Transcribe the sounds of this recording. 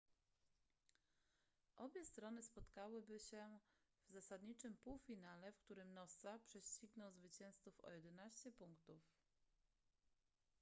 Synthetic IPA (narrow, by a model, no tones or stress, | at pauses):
ʔɔbʲjɛst̪ɾɔnɘspɔt̪kawɘbɘɕɛvzasad̪ɲit͡ʂɘmpuwfʲinalɛfkt̪uɾɘmnɔsapʂɛɕt͡ɕiɡnɔwzvɘt͡ɕɛ̃w̃st̪sufɔ̰jɛd̪ɛnaɕt͡ɕɛpuŋkt̪uf